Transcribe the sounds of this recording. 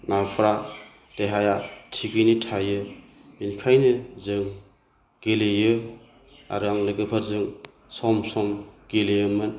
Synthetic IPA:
nampʰɾa | d̥eɦajatʰiɡɯjnitʰajɯ | binkʰajnɯzɯŋ | ɡ̥elejɯ | a̰ɾaŋlɯɡɯpʰaɾzɯŋ | sɔmsɔmɡelejɯmɯn

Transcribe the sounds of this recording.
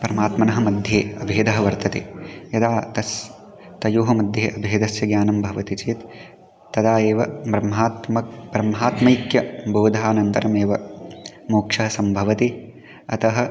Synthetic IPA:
pɐɾɐmaːt̪mɐnɐɦɐmɐd̪ʱjeːɐbʱeːd̪ɐɦɐʋɐɾt̪ɐt̪ḛjɐd̪aːt̪ɐs | t̪ɐjuːɦɐmɐd̪ʱjeːʔɐbʱeːd̪ɐsjɐɡjaːnɐmbʱɐʋɐt̪it͡ʃeːt̪ː | ɐd̪aːjeːʋɐbɾɐmɦaːt̪mɐbɾɐmɦaːt̪mɐjikjɐboːd̪ʱaːnɐnt̪ɐ̰ɾɐmeːʋɐ | muːkʂɐɦɐsɐmbʱɐʋɐt̪i | ɐt̪ɐɦɐ

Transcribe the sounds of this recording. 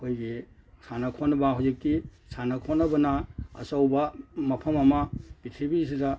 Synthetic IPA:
kʰojɡisanɐkʰonɐbaɦawzik̚tisanɐkʰonɐbɐnaɐ̰sawbɐmɐpʰɐmɐmɐb̥itʰɾibis̬ida

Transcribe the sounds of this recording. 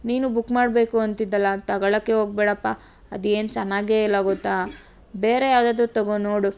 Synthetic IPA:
niːnubukːmaːɽbe̞ːkuɐnt̪id̪ːɐlːɐt̪ɐɡɐɭɐkːeɦo̞ːɡ̚beːɽɐpːa | ɐ̰d̪ue̞ːnt͡ʃɐnːaːɡeilːaːɡot̪ːa | beːɾejaːwd̪aːd̪ut̪ɐɡonoːɽu

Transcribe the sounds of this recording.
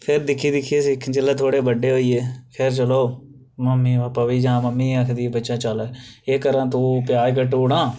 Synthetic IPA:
pʰɪɾd̪ɪkʰːiːd̪ɪkʰːieːsikʰd͡ʒɪlːaːt̪ʰoːɽeːbəɖeːɦoːiːeːkʰeɾt͡ʃəloː | məmːiːbaːpaːʋiːd͡ʒãːməmːiːəkʰd̪iːbətːʃãːt͡ʃələːeːkəɾãːt̪õːpɪjaːd͡ʒk̬əʈuːɽãː

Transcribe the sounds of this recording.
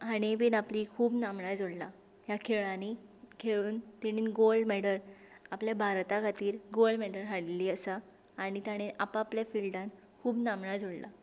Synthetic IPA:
añiʋiːnaplikʰuːbnamɳad͡zoɽla | ɦjakʰeɭanikʰeɭuːnt̪iɽ̃iːnɡolɖmɛɽəɾ | apljabʱaɾt̪akʰat̪iːɾɡolɖmɛɽəɾɦaɽiliːəsaː | ɽ̃it̪aɽ̃eapaːpljafilɖãn | kʰuːbnamɳad͡zʱoɽla̰

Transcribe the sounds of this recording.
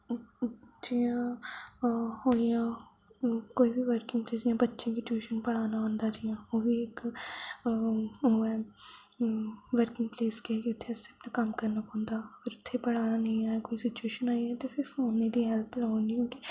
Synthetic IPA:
d͡ʒijãː | hoːjã | koːibʱiʋəɾkɪ̃ŋɡpleːsd͡ʒãbɐtːʃẽkɪt͡ʃueːʃənpɐɽ̤aːnaə̃nd̪ad͡ʒijãːoːbʱieːk | oɛ | ʋəɾkɪ̃ŋɡ̚pleːskekiʊt̪ʰːeɐsɪɐpnakɐmkɐɾnapõnd̪aːɪɾʊt̪ʰːepɐɽ̤aːnanɐɦĩaːakoːisɪt͡ʃueːʃənaːiɛ̃t̪epʰɪɾoːned̪iɦɛlplaɦõːnd̪ikõːki

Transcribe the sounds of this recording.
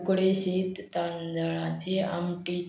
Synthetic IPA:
kɽeɕit̪t̪and̪əɭat͡ɕea̰mʈi

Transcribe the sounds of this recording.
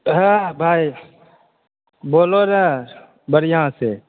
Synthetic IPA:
ɦãbʱaːi | boːloːnaː | bəɾjɦãːseː

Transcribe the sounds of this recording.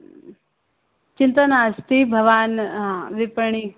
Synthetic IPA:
t͡ʃɪnt̪ənaːst̪ibʱɐʋaːnɦãʋɪpɳ̃i

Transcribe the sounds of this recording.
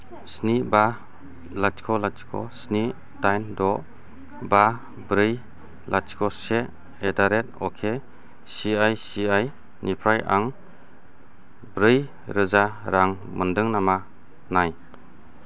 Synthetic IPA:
sniba | latkʰɔlat͡ʃkʰɔ̰sni | tajndɔ | ba | bɾɯj | lat͡ʃkʰɔse | edaɾet̚ɔkʰe | siajsiaj | nipʰɾajʔa̰ŋ | bɾɯj | ɾɯzaɾaŋ | mɯndɯŋnama | naj

